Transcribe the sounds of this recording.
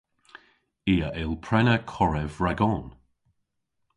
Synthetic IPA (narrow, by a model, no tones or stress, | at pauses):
iːəʔɪlˠpʰɹɛnəkʰɔɹɛvɹaɡɔn